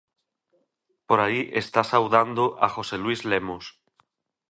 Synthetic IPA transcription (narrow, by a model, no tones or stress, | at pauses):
poɾaiʔest̪asawðand̪oʔaxoselwuizlemos